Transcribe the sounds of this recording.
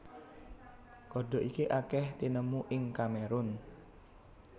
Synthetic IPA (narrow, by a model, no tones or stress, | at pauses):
kɔɖɔ̤ʔikiʔakɛht̪inəmuʔɪŋkameɾʊn